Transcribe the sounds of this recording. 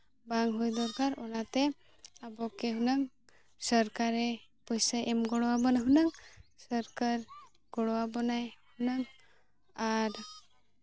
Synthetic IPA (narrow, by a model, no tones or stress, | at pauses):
baŋɦujd̪ɔɾkaɾɔlat̪ɛ | abɔkeɦunaŋ | səɾkaɾɛpɔjsajʔɛmɡɔɽɔwabɔnaɦunaŋsəɾkaɾ | ɡ̥ɔɽɔwabɔnajhunaŋ | aɾ